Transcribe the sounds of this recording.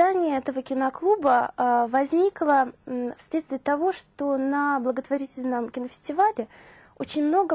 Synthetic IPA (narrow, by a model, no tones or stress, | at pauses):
anʲɪjəɛt̪əvəkʲɪnɐklˠubəvɐzʲnʲiklˠəfslʲet̪st̪vʲɪjət̪ɐvo̞ʂt̪o̞nɐblˠəɡət̪vɐɾʲitʲɪlʲnəmkʲɪnəfʲɪ̥sʲtʲɪvalʲɪ | o̞t͡ɕɪnʲmno̞ɡə